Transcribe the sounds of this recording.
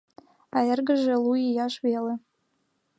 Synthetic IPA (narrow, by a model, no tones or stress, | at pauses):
ɑerɡə̆ʒĕluijɑʃβelĕ